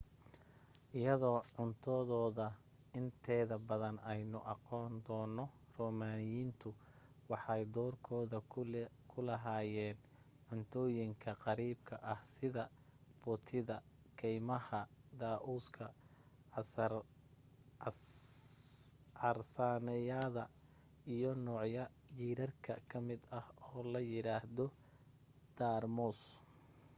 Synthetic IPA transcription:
ʔɪjɐðɔːʕʊnt̪ʰɔðɔːðɐ | ɪnt̪ʰɛːðɐbɐðɐnɛjnʊʔɑqɔːnd̪ɔːnːɔ | rɔːmaːnɪjiːnt̪ʰʊ | wɑħɑjd̪ɔːrkʰɔːðɐkʰʊlɐɦaːjɛːn | ʕʊnt̪ʰɔːjɪŋkʰɐqɑɾiːbkʰɐʔɐhsɪðɐ | b̥ʊt̪ʰɪðɐ | kʰɛjmɐhɐd̪aːʔuːskʰɐ | ʕɑrsaːnɛjaːðɐ | ijɔnɔːʕjɐ | jiːɾɐrkʰɐ̰kʰɐmɪd̪ɐhɔːlɐjɪɾaːhðɔ | d̪̥aːrmɔs

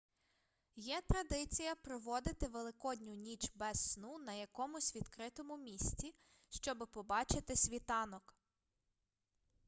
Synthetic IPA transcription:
jɛt̪ɾɐd̪ɪt͡sʲijɐpɾɔʋɔd̪ɪt̪ɪʋelˠɪkɔdʲnʲʊnʲit͡ʃbɛsːnunɐjɐkɔmʊsʲʋʲid̪̥kɾɪt̪ɔmʊmʲisʲt͡sʲi | ʃt͡ʃɔbɪpɔbɑt͡ʃɪt̪ɪsʲʋʲit̪ɑnɔk

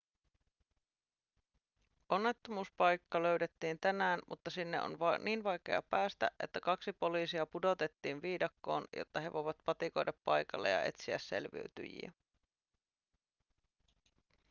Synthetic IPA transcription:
onːe̞t̪ːomuːspɑjkːɑlø̞ɥdet̪ːiːnt̪ænæːnmṵt̪ːɑsinːḛʔo̰nʋɑniːnʋɑjke̞̰ɑ̰pæːst̪æ̰ʔʔe̞̰t̪ːækɑksipo̞lisiɑpudo̞t̪e̞t̪ːiːnʋiːdɑkːo̞̰ːnjo̰t̪ːɑɦeʋo̞jʋɑt̪pɑt̪iko̞jdɑppɑjkɑlːḛjɑ̰ʔe̞̰t̪siæsːe̞̰lʋḭyt̪y̰jḭæ̰

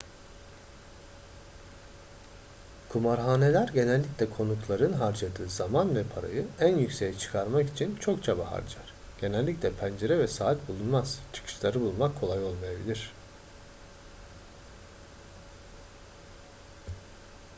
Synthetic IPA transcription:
kʰumaɾɦaːne̞lʲæɾɟe̞nɛlʲːicʲlʲɛkʰo̞nuklˠaɾɯnɦaɾd͡ʒad̪ɯːzamanvɛpʰaɾa̰jɯænjycsejɛt͡ʃʰɯ̥kʰaɾmaki̥t͡ʃʰint͡ʃʰo̞kt͡ʃʰabaha̰ɾd͡ʒaɾ̥ɟ̥e̞nælʲːiclʲɛpʰænd͡ʒe̞ɾɛvɛsaːt̪̚bulˠunmaz̥t͡ʃʰɯ̥kʰɯ̥ʃlˠaɾɯbulˠmakʰːo̞lˠajo̞lˠmajabḭlʲiɾ̥

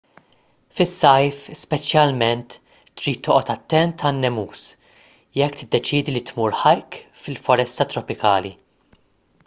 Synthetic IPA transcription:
fɪsːɐjfspɛt͡ʃjɐlmɛnt̪ː | ɾiːt̪ʰːɔːʔɔt̪ɐt̪ːɛnt̪ʰɐnːɛmuːs | jɛkːt̪ɪd̪ːɛt͡ʃiːd̪ilit̪muːɾħɐjkfɪlfɔɾɛst̪ɐt̪ɾɔpɪkɐːli

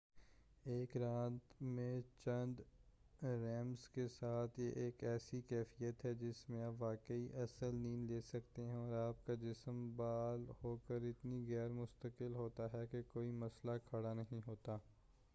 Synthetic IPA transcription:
eːkɾaːt̪mẽt͡ʃɐ̃nd̪ | ɾɛ̃ːmzkesaːt̪ʰjeʔeːkɛːsikɛːfijət̪ɦɛd͡ʒɪsmẽaːpʋaːkəiʔɐsəlniːnleːsɐk̚t̪eɦɛ̃ɔːɾaːp̚kad͡ʒɪsəmbaːlhoːkəɾɪt̪niɣɛːɾmʊst̪əkɪlɦoːt̪aɦɛkekoːimɐslakʰɐɽanɐɦĩɦoːt̪aː

